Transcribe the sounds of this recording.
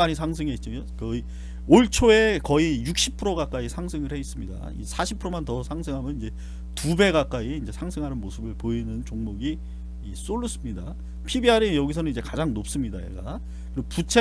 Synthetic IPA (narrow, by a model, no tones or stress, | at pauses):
aɲisʰaŋsʰɯŋeit̚t͡ɕ͈ookʌi | oɭt͡ɕʰoe̞kʌijuk̚ɕ͈ʰipʰɯɾoɡak͈aisʰaŋsʰɯŋɯɭhe̞is͈ɯmɲida̰ḭsʰaɕʰipʰɯɾomantʌsʰaŋsʰɯŋɦamjʌnind͡ʑe̞ | tube̞ɡak͈aiːnd͡ʑe̞sʰaŋsʰɯŋɦanɯnmosʰɯbɯɭpoinɯnt͡ɕoŋmoɡiː | s͈oɭːus͈ɯmɲida | pʰibiaɾejʌɡis̬ʰʌnɯnid͡ʑe̞kad͡ʑaŋnop̚s͈ɯmɲidaḛɡa̰ | kɯɾput͡ɕʰe